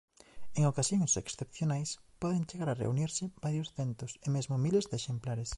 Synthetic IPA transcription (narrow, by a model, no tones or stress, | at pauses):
eŋokasjoŋseksθepθjonajspɔðent͡ʃeɣaɾarḛuniɾsɪbaɾjosθent̪ʊsemezmʊmilezd̪eʃemplaɾes